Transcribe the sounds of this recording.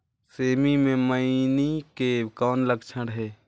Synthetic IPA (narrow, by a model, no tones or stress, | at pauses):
seːmimẽməɪnikekɔːnləkt͡ʃʰəɽɦɛː